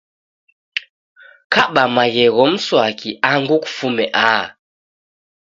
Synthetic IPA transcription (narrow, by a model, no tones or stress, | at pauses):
kaɓamaɣɛɣɔm̩swakʰiʔaŋɡuku̥fumɛʔaː